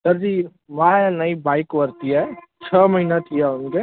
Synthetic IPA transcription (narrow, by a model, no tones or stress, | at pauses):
sɐɾd͡ʒiː | ʋãːɛnɐibaːɪkʋəɾt̪iɦɛt͡ʃʰəːməɦiːnat̪ʰijaʊnke